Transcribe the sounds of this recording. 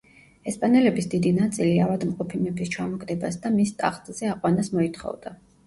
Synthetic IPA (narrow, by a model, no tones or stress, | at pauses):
ɛspʼanɛlɛbisd̪id̪inat̪sʼiliavad̪mqʼɔpʰimɛbist͡ʃʰwamɔɡɾɛbasd̪amist̪ʼa̰χt̪ʼzɛaqʼwanasmɔit̪ʰχɔ̰vd̪a